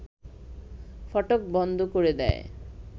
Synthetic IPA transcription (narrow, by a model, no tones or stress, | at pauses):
fɔʈok̚bɔnd̪ʱokoɾed̪ɛ̰e